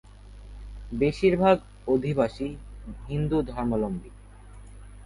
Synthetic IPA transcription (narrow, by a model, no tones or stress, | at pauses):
beʃiɾbʱaɡ | od̪ʱibaʃiɦind̪ud̪ʱɔɾmolombik